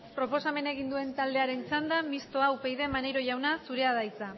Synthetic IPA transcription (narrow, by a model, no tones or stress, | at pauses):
pɾo̞po̞same̞ne̞ɣ̞ind̪ue̞nt̪ald̪e̞aɾe̞nt͡sand̪amist̪o̞awpe̞jðe̞mane̞jɾo̞ʝawnasuɾe̞aðajt͡sa